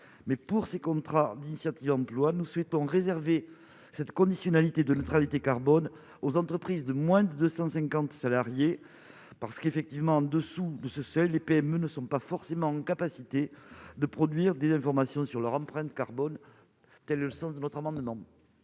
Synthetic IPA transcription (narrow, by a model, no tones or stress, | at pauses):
mɛpuʁsekɔ̃t̪χad̪inisjat̪ivɑ̃plwanuswet̪ɔ̃ʁezɛʁve | sɛt̪kɔ̃d̪isjɔnalit̪ed̪ənət̪χalit̪ekaʁbɔn | ozɑ̃t̪χəpχizd̪əmwɛ̃d̪əd̪øsɑ̃sɛ̃kɑ̃t̪salaʁje | paʁsə̥kefɛk̚t̪ivmɑ̃ɑ̃d̪əsud̪əsəsœjlepeɛmønəsɔ̃pafɔʁsemɑ̃ɑ̃kapasit̪ed̪əpχɔd̪ɥiʁd̪ezɛ̃fɔʁmasjɔ̃syʁlœʁɑ̃pχɛ̃nt̪kaʁbɔn | t̪ɛlləsɑ̃sd̪ənɔt̪χamɑ̃d̪əmɑ̃